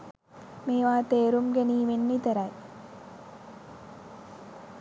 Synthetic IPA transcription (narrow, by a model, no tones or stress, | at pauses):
meːʋaːt̪eːɾumɡeniːʋenːit̪əɾaj